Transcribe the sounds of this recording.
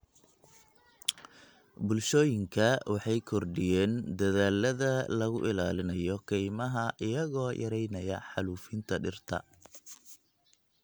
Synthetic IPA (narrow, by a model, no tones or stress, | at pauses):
bʊlʃɔːjɪŋkʰɐwɑħɑjkʰɔrɖɪjɛːnd̪ɐðaːlːɐðɐlɐɣʊʔɪlaːlɪnɐjɔkʰɛjmɐɦɐʔɪjɐɣɔːjʔɐɾɛjnɐjɐħɑluːfɪnt̪ʰɐɖɪrt̪ʰɐ̰